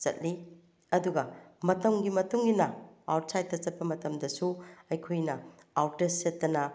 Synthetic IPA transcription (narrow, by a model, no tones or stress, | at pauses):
t͡ʃɐ̰t̚li | ɐduɡɐmɐtɐmɡimɐtuŋinɐawt̚sajt̚ːɐt͡ʃɐt̚pɐmɐtɐmdɐsuɐjkʰojnɐ | awtesetːɐnɐ